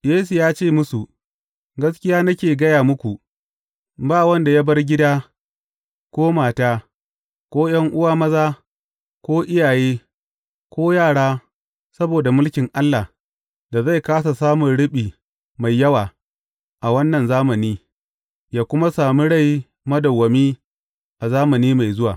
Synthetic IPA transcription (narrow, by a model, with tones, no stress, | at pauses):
jeː˦su˨jaː˦t͡ʃeː˦˨mʊ˦su˨ | ɡɐ˦skʲɪ˦jaː˦nɐ˦kʲeː˨ɡɐ˦jaː˨mʊ˦kʷu˨ | baː˦wɐ˦nda˨ja˦bɐ˦rɡʲɪ˦daː˦ | kʷoː˦maː˨taː˦ | kʷoː˦j̰ɐ˦ŋʔʊ˦waː˦mɐ˦zaː˦ | kʷoː˦ʔɪ˦jaː˨jeː˦ | kʷoː˦jaː˦˨ɽaː˦ | sɐ˦boː˨da˨mʊ˦lkʲɪ˨ŋʔa˦lːa˨ | da˨za˦˨jkaː˦s̬a˨saː˦mʊ˨nɽɪ˦ɓiː˨ | ma˨jːɐ˦waː˨ | ʔa˨wɐ˦nːɐ˨nzaː˦mɐ˨niː˦ | jaː˦kʷʊ˦ma˦saː˨mi˦ɽa˦˨j | mɐ˦dɐ˨wːɐ˨miː˦ | ʔa˨zaː˦mɐ˨niː˦ma˨jzʊ˦wa̰ː˨